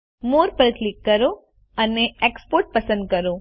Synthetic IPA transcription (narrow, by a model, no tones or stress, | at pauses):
moɾpəɾklikːəɾo | əneekspoɾʈ̚pəsə̃nd̪̚kəɾo